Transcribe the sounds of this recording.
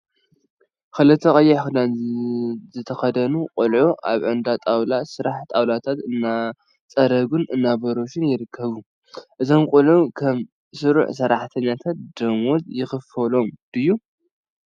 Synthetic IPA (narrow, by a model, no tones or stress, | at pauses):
kɨlɨt̪ʰːɐkʼɐjːɛxɨd̪an | zɨt̪ʰɐxɐd̪ɐnuqʼʊlʕuʔaβʕɨnd̪at̪ʼawlasɨɾaħt̪ʼawlat̪ʰat̪ɨnːa | t͡sʼɐɾɐɡunɨnːabɐɾoʃɪnjɪɾɨkʰːɐβu | ʔɨzo̞mkʼʊlʕukʰɐm | sɨɾṵʕsɐɾaħt̪ʰɐɲːat̪ʰat̪̚d̪ɐmozjɪxɨfɐlo̞md̪ɨjːu